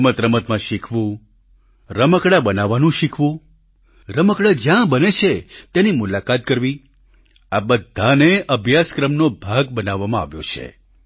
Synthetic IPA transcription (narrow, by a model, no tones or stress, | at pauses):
mət̪ɾəmət̪mãʃikʰʋũ | ɾəməkɽabənaʋːanũʃikʰʋũ | ɾəməkɽad͡ʒjãbənet͡ʃʰet̪enimulakat̪̚kəɾʋi | abəd̪ʱːaneʔəbʱjaskɾəmnobʱaɡ̚bənaʋːamãa̰ʋjo̰t͡ʃʰḛ